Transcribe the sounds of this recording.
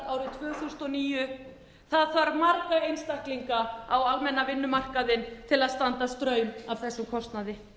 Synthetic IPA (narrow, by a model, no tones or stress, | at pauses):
aːwɾʏt̪ʰvœːθust̪ɔniːjʏ | θaðθvaɾmaɾkaejnst̪ahkliŋkaawalmɛnːavɪnːʏmar̥kaðɪnt̪ʰɪlaðst̪ant̪ast̪ɾœːɥmavθɛsːʏmkʰɔst̪naðɪ